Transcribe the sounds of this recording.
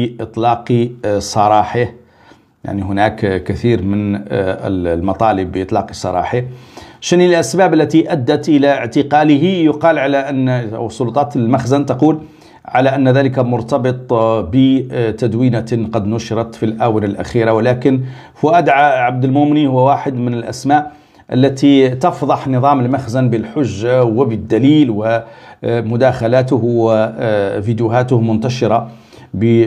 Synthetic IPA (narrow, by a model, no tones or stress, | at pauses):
ʔɨt̪ˤlɑːqsˤɑɾˤɑħə | ja̰ʕniɦʊnækkæθiːɾmən | lmɑt̪ˤɑːləbːʔɨt̪ˤlɑːqisˤɑɾˤɑ̰ːħəʃənilʔæsbæːbəlːæt̪iʔæd̪ːat̪ʔəlaʕt̪əqɑləhijʊqɑːlʕalaʔən̰ːwsˤːʊlʊt̪ˤɑːt̪əlmaxzant̪ɑquːl | ʕalaʔənːðæləkamʊɾt̪ɑbɨt̪ˤbət̪æd̪wiːnaqɑd̪nʊʃɪɾˤɑt̪filʔaːwənəlʔæ̰xiːɾawlæːkən | fʊæd̪ʕaʕab̚d̪əlmʊmnihʊwːwaːħəd̪mənəlʔæ̰smaʔ | ʔə̰lːæt̪it̪ɑfd̪ˤɑħnɨðˤɑːməlmaxzanbəlħʊʒːawəbəd̪ːæliːlwə | mʊd̪æːxalaːt̪ʊh | fid̪jʊhæːt̪ʊhmʊnt̪æʃɪɾɑ | bə